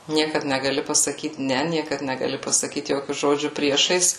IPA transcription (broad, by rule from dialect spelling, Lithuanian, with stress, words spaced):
ˈnʲiɛkɐt nʲɛɡɐˈlʲɪ pɐsɐˈkʲiːt ˈnʲɛ ˈnʲiɛkɐt nʲɛɡɐˈlʲɪ pɐsɐˈkʲiːt ˈjoːkʲʊ ˈʒoːd͡ʒʲʊ ˈpʲrʲiɛʃɐɪs